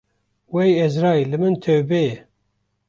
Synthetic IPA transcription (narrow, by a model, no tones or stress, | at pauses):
wejɛzɾɑːjlɨmɨnt̪ʰewbejɛ